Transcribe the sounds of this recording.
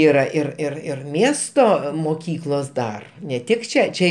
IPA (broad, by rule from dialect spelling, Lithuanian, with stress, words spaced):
iːˈrɐ ɪr ɪr ɪr ˈmʲiɛstoː moːˈkʲiːklˠoːs ˈdɐr nʲɛ ˈtʲɪk ˈt͡ʃʲɛ ˈt͡ʃʲɛ